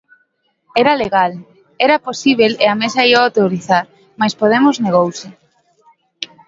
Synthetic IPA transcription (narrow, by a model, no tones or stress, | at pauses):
ɛɾaleɣal | ɛɾaposiβ̞eleamesaiaot̪eoɾiθaɾ | majspoð̞emozneɣ̞owsɪ